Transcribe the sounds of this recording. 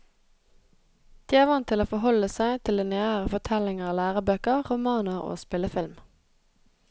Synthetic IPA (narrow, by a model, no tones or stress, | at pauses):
d̪̥iːæːʁʋɑnt̪ʰɪloːfɔhɔləsæɪt̪ʰɪld̪ɛːneːəʁəfɔʁt̪ʰɛlɪŋəʁlæːʁəbøːkəʁʁʊmɑːnəʁo̰ːspɪləfɪlm